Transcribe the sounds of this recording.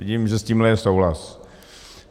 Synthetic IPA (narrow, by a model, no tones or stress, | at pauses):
ɪɟimʒɛsciːmlɛjɛsowɦlas